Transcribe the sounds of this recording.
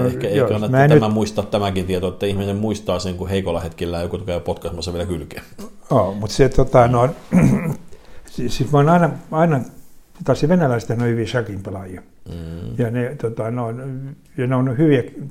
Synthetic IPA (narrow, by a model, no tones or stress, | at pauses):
noehkæeˑiokɑnːɑtmæːnæyæmæmuist̪ɑt̪t̪æmækint̪iet̪oet̪ːæihminemmuist̪ɑːseŋkuheikolːɑhet̪kilːæːkut̪okæpot̪kɑsmɑsːɑʋielækylkemoːmut̪set̪ot̪ɑnoin | sisit̪moinɑinɑɑinɑ | t̪ɑsːiʋenælæˑst̪ehnoihyʋisɑkimpɑlɑjɑ | jɑnet̪ot̪ɑnoin | jɑneonhyʋiæ